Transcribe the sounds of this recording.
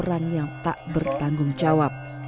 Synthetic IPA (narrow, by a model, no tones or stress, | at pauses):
ɾaŋjaŋt̪a̰ʔbərt̪aŋɡʊŋd͡ʒawap̚